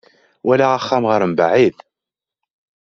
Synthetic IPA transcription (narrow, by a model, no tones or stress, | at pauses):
wælaaχːamʁəɾəmbaʕið